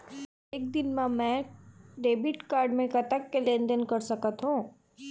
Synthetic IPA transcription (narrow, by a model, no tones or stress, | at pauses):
eːk̚d̪ɪnmãmɛ̃ːɖeːbɪʈkaːɾɖmẽkɐt̪əkːelẽːnd̪ənkɐɾsɐkət̪ɦũː